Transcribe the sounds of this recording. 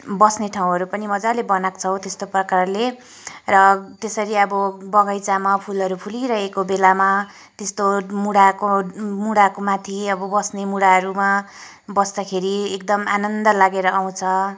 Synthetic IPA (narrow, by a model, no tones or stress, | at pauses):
bʌsneʈʰaw̃ɦʌɾupʌnimʌd͡zalebʌnakt͡sʰʌw̃t̪est̪oprʌkarle | rʌt̪esʌɾiʌbʌbʌɡʌjt͡samapʰulɦʌɾupʰuliɾʌɦekobelama | t̪est̪omuɽakomuɽakomãt̪ʰiʌbʌbʌsnemuɽaɦʌɾuma | bʌsd̪akʰeɾiek̚d̪ʌmanʌnd̪ʌlaɡeɾʌaw̃t͡sʰʌ